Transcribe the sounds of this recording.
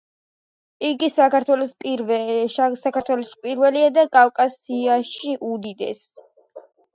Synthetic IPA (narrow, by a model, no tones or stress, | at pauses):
iɡisakaɾt̪ʰwɛlɔspʼi | sakaɾt̪ʰwɛlɔspʼiɾvɛliad̪akʼavkʼasiaʃiʔud̪id̪ɛ̰s